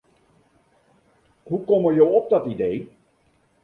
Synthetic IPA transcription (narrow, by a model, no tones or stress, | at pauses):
ɦukɔməɹjowɔp̚dɑtidej